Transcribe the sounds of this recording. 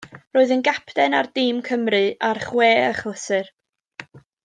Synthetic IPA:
roːɨðənɡapʰdɛnardɪmkʰəmrɨarχweːəχlˠəsɨr

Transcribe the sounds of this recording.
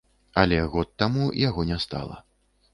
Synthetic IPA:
ɐlʲɛɣɔt̪ːamujaɣɔnʲɛst̪a̰lˠɐ̰

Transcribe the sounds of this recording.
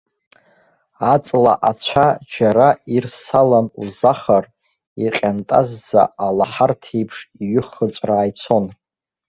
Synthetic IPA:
at͡sʼla̰ʔat͡ɕʷʰad͡ʒaɾairsalanṵzaχar | iqʲʼantʼazːa̰alaħartʰejpʰʂiɥʏχət͡sʷʼraːjt͡sʰo̞n

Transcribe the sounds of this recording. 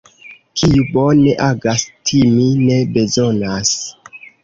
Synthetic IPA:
kʰijubone̞ʔaɡastʰimine̞be̞zonas

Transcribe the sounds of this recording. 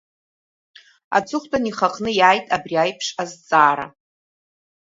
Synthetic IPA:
a̰t͡sʰɨχʷtʼaniχaqʼʰnɨjaːjtʼabriajpʰʂazt͡sʼaːɾa̰

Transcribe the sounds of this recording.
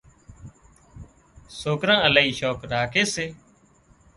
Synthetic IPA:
soːkɾãːəlaːiːʃoːkɾaːkʰeːseː

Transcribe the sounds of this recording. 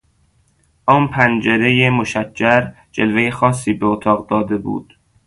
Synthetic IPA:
ʔɒːnpʰænd͡ʒeɾejemoʃæcːæɾ | d͡ʒelvejexɒːsːiːbeot̪ʰɒːɣd̪ɒːd̪e̞bṵːd̪̥

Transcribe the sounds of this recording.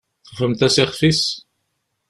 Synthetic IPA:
θʁfəmt̪æsiχfis

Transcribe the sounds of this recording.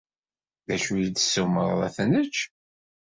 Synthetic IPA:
ðæʃujid̪ə̥sːəməɾˤðˤæθænət͡ʃː

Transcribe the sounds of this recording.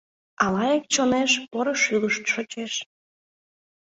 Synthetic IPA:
ɑlɑjek̚t͡ɕoneʃpoɾoʃyləʃt̪ʃot͡ɕeʃ

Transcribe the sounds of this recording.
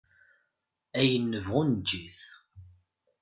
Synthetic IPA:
æjənːəvʁʊnd͡ʒːiθ

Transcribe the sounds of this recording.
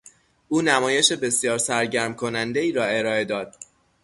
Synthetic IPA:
ʔuːnæmɒːjeʃe̞be̞sjɒːɾsæɾɟæɾmkʰo̞nænd̪e̞iːɾɒːe̞ɾɒːe̞d̪ɒːd̪̥̚

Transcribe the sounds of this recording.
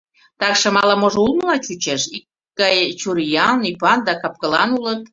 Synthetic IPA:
t̪ɑkʃə̆mɑləmoʒoulməlɑt͡ɕut͡ɕeʃikːɑjt͡ɕuɾijɑnipɑnd̪ɑkɑp̚kəlɑnulət̪̚

